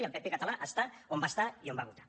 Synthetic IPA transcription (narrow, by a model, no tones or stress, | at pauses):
iapepekat̪alaʔast̪aombast̪aiombaɣut̪ḁ